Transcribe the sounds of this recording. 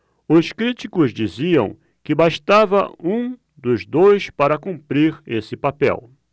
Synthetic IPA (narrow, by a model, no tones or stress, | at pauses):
ʊskɾit͡ʃikʊzd͡ʒiziɐ̰̃w̃ | kɪbaʃt̪avɐũ | d̪ʊzd̪ojspaɾɐkũmpɾiɾesɪpapɛ̰w